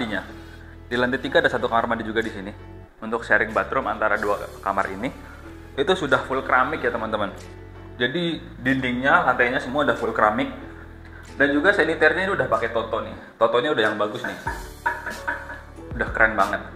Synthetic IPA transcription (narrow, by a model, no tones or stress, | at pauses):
diɲa | dilant̪ɛt̪iɡaːdasat̪ukamarmadid͡ʒuɡadisini | unt̪ʊksaɾɪŋbat̪ɾʊma̰nt̪aɾadua̰kama̰rḭni | it̪usudahfʊlkɾamɪkjat̪əmənt̪əmən | d͡ʒadi | dindɪŋɲalant̪aɲasəmuaudahfʊlkɾamɪk̚ | dand͡ʒuɡasenit̪ɛrɲainiudahpakɛt̪ɔt̪ɔnɪht̪ɔt̪ɔɲaudaɦjaŋbaɡʊsnɪh | udahkəɾanbaŋət̪̚